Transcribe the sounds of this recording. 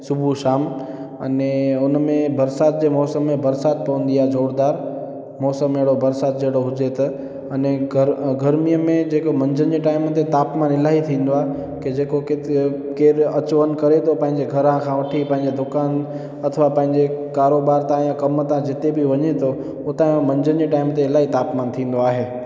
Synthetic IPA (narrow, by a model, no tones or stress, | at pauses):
sʊbʱuʃaːmɐ̰neʊnmẽbɐɾsaːt̪̚d͡ʑeːmɔːsəmːẽbɐɾsaːt̪̚pɐʋə̃nd̪ijaːd͡ʑʱoːɽd̪aːɾ | mɔːsəmeːɽobɐɾsaːt̪̚d͡ʑeːɽoɦʊd͡ʑet̪ɐ | ɐneəɡɐɾmijəmẽd͡ʑeːkomɐ̃ɲd͡ʑənd͡ʑeʈaːɪmət̪ʰet̪aːpmãnɪlaːɦit̪ʰĩːn̆d̪oaːɦ | ked͡ʑeːkokekeːɾɐt͡ɕʋənkɐɾet̪ʰopɐ̃ɦɪ̃ɲd͡ʑeɡʱɐɾãkʰãʋɐʈʰipɐ̃ɦɪ̃ɲd͡ʑed̪ʊkaːn | ɐt̪ʰəʋapɐ̃ɦɪ̃ɲd͡ʑekaːɾoːbaːɾt̪ãjãkɐmət̪ãd͡ʑɪt̪ebɪʋɐɲet̪ʰo | ʊt̪ãmɐ̃ɲd͡ʑənd͡ʑeʈaːɪmt̪eɪlaːɦit̪aːpmaːnt̪ʰĩːn̆d̪oaːɦeː